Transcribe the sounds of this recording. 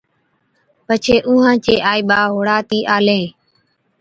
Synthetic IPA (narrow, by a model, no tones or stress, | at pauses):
pət͡ʃʰeːʔuːɦãːt͡ʃeːʔaːiːɓaːɦoːɽaːt̪iːʔaːlẽː